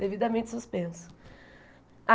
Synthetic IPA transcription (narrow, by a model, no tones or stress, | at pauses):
d̪evid̪ɐmẽnt͡ʃɪ̥suspẽsʊ̥ | a